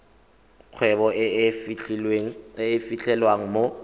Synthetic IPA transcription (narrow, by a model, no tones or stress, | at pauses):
q͡χʰwɛbɔ | eːfit͡ɬʰʼɛlwaŋ̩mo